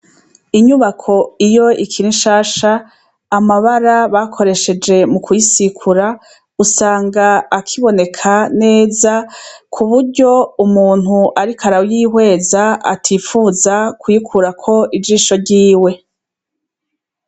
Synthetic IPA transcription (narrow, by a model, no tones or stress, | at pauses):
iɲuβakʰo̞ijo̞ʔikʰiɾinʃaːʃaː | maβaɾaβakʰo̞ɾe̞ʃe̞d͡ʒe̞mukʰwisikʰuɾa | usaːŋɡaːkʰiβo̞ne̞kʰane̞ːzakʰuβuɾɟo̞umuːn̥huʔaɾikaɾawjiːhwe̞ːzaa̰tʰifuːzakwikʰuɾakʰo̞ʔid͡ʒiːʃo̞ɾɟiːwe̞